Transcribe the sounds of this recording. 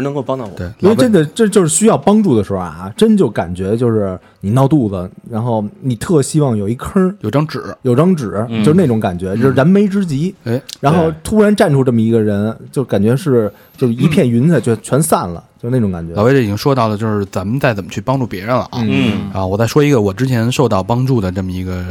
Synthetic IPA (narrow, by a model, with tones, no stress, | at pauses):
nɤ˧˥ŋko˧pɑ˥ŋt̪ɑ˥˩wtwe˨˥˧ʈ͡ʂə˥nd̪ə˨ʈ͡ʂə˥t͡ɕjo˥˧ʊʂɻ̩˥˩ɕy˥jɑ˥˩ʊpɑ˥ŋʈ͡ʂu˥˩d̪ə˩ʂɻ̩˧˥xo˥˧˩ʈ͡ʂə˥nd̪ə˩t͡ɕjo˥˩ka̰˨˩nt͡ɕɥɛ˧˥t͡ɕjo˥˧ʊʂɻ̩˥˩ | ni˨˩nɑ˥˧ʊt̪u˥˩lə˩ɻa˧˥nxo˥˩ʊni˨˩t̪ʰɤ˥˩ɕi˥wɑ˥˩ŋjo˨˩ʊi˥˩kʰə˥jo˨˩ʊʈ͡ʂɑ˥ŋʈ͡ʂɻ̩˨˩˦jo˨˩ʊʈ͡ʂɑ˥ŋʈ͡ʂɻ̩˨˩˦t͡ɕo˥˧ʂɻ̩˥˧ne˥˩ʈ͡ʂʊ˧˥ŋka˨˩nt͡ɕɥɛ˧˥t͡ɕjo˥˧ʊɻ̩˥˧ɻa˧˥nme˧˥ɪʈ͡ʂɻ̩˥t͡ɕi˧˥˩ɻa˧˥nxo˥˩ʊt̪ʰu˥ɻa˧˥nʈ͡ʂa˥˩nʈ͡ʂʰu˥ʈ͡ʂɤ˥˩mə˩i˧˥ɡə˧ɻə˧˥nt͡ɕjo˥˧ka˨˩nt͡ɕɥɛ˧˥ʂɻ̩˥˩ | t͡ɕjo˥˧ʊʂɻ̩˥˩i˧˥pʰjɛ˥˩nɥy˧˥nt͡sə˧t͡ɕjo˥˩ʊt͡ɕʰɥɛ˧˥nsa˥˩nlə̰˩t͡ɕo˥˧e˥˩ʊ˧˥ŋka˨˩t͡ɕɛ˧˥˨we˧˥ʈ͡ʂə˥˩i˨t͡ɕi˥ŋʂwɔ˥t̪ɑ˥˩ʊlə˩t͡ɕjo˥˧ʊʂɻ̩˥˩t͡sa˧˥mə˨˧t͡sa˥˩ɪt͡sə˨˩mə˦˥t͡ɕʰy˥˩pɑ˥ŋʈ͡ʂu˥˩pjɛ˧˥ɻə˧nlə̰˨n̩˧˥˩n̩˥˩˧wɔ˨˩t͡sa˥˩ʂwɔ˥i˧˥ɡə˧wɔ˨˩ʈ͡ʂɻ̩˥t͡ɕʰjɛ˧˥nʂo˥˧ʊt̪ɑ˥˩ʊpɑ˥ŋʈ͡ʂu˥˩d̪ə˩ʈ͡ʂɤ˥˩mə˩i˧˥ɡə˧